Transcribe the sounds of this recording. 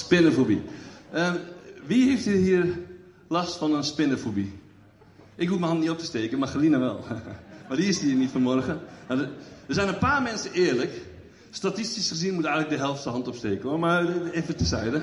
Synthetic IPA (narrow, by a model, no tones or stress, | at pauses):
spɪnəfobḭəʋiheftihiːər | lastfɔnənspɪnəfobi | ʔɪkɦuəməhɑntniop̚tə̥steːkənmaxəlinəʋɛ̰lˠmadiɪsdinitfɔnmɔrɣənadədəzɛjnənpaːrmɛnsənɪːərlək | statistisχəzinmutɛjɣŋlək̚dəɦɛlˠftəɦɑntopsteːkənomarefətəsɛjdə